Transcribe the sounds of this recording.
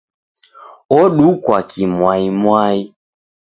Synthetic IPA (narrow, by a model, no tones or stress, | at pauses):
ɔɗukwakʰimwaimwai